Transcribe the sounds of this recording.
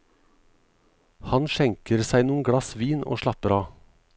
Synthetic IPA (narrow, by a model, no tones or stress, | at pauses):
hɑnʃɛŋkəɾsæɪnuːən̩ɡɽɑsʋiːno̰ːʃɭɑpəɾɑː